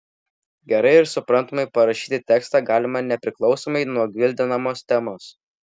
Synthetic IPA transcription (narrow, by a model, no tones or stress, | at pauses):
ɡʲɛɾɐɪɪɾsʊpɾɐnt̪oːmɐɪpɐɾɐʃʲiːt̪ʲɪt̪ʲɛkst̪ɑːɡɑːlʲɪmɐnʲɛpʲɾʲɪklˠɒʊsoːmɐɪnuɔɡʲʋʲɪlʲd̪ʲɪnɐmoːst̪ʲɛmoːs